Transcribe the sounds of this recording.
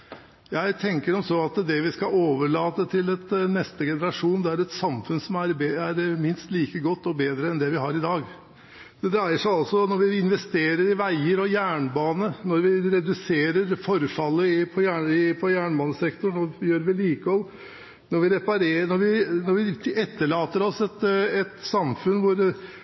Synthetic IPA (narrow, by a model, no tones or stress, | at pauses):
jæɪt̪ʰɛŋkəɾɔmsɔɑt̪d̪ɛʋɪskɑoːʋəɭɑːt̪ət̪ʰɪlɛt̪nɛst̪əɡɛnəɾɑʂuːnd̪ɛæɾɛt̪sɑmfʉnəsɔmæɾbæɾmɪnst̪liːkəɡɔt̪ːɔbeːd̪ɾəɛnd̪ɛʋɪɦɑɾɪd̪ɑːɡ | d̪̥ɛd̪ɾæɪəʂæɪɑlsɔnɔɾʋɪɪnʋɛst̪eːɾəɾɪʋæɪəɾɔjæːɳbɑːnənɔɾʋɪɾɛd̪ʉseːɾəɾfɔɾfɑlːəɪpʰɔjæːɳɪpʰɔjæːɳbɑːnəsɛkt̪ʊɳnoːjøːɾʋɪliːkəɔl | nɔɾʋɪɾɛpɑɾeːnɔɾʋɪnɔɾʋɪɛt̪ːəɭɑːt̪əɾɔsɛt̪ɛt̪sɑmfʉnʋʊɾ